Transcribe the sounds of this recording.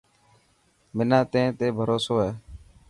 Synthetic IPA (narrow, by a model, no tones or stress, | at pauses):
mɪnãːt̪ẽːt̪eːbʱəɾoːsoːɦeː